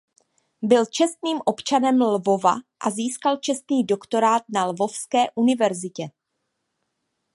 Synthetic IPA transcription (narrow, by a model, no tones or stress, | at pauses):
bɪlt͡ʃɛst̪niːmʔo̞pt͡ʃanɛmlvo̞va̰ʔaziːskalt͡ʃɛst̪niːdo̞kt̪o̞ɾaːt̪̚nalvo̞fskɛːʔunɪvɛɾzɪcɛ